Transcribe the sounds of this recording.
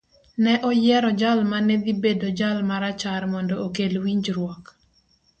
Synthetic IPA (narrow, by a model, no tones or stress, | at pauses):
nɛʔɔjɛɾɔd͡ʒalmaned̪ibedod͡ʒalmaɾat͡ʃaɾmɔndɔokelwiɲd͡ʒɾwɔk